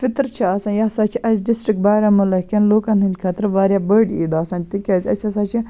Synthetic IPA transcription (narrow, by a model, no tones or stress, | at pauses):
fit̪ɾt͡ʃʰiɐsãnjasat͡ʃʰiʔɐzʲɖisʈɾik̚ʈ̚baːɾʲamɐlɐkʲɐnloːkɐnɦinʲkʰɐt̪ɾʋaːɾʲjabəɖḭːd̪aːsãːnʲt̪ikʲɐzʲɐ̰sʲɐsaːt͡ʃʰi